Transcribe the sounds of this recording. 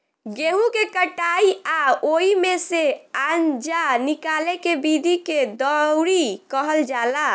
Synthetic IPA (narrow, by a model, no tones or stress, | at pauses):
ɡeɦũkekəʈaiaoimeseand͡ʒanikalekebid̪ʱiked̪əɾikəɦəld͡ʒala